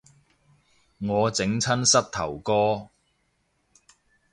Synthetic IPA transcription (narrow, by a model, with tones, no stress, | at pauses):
ŋɔː˨˧t͡sɪ˨˥ŋt͡sʰɐ˥nsɐ˥t̚t̪ʰɐ˨˩wkɔː˥